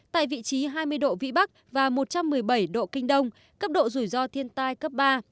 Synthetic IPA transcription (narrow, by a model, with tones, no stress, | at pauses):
t̪a̰ː˧˨jvḭ˧˨t͡ɕi˨˦ɦaː˧jmɨ˧əjɗo̰˧˨vḭ˧˥ɓa˦˥k̚vaː˨˩mo˨˩t̚t͡ɕa˧mːɨ˨˩əjɓə˧˩jɗo̰˧˨kï˧ŋ̟ɗə˧wŋ͡m | kə˦˥p̚ɗo̰˧˨zu˧˩jzɔ˧t̪ʰi˧ənt̪aː˧jkə˦˥p̚ɓaː˧